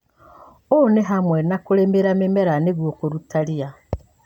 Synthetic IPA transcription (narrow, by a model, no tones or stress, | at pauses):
oneɦamwɛnakoɾemeɾamemeɾaneɣwokoɾutaɾia